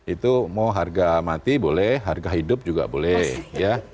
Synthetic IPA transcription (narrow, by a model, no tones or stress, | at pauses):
it̪umawɦarɡamat̪ibolɛhɦarɡaɦidʊp̚d͡ʒuɡa̰bolɛhja